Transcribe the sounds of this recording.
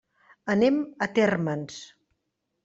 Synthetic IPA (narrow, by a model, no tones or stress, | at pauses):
ənemət̪ɛrməns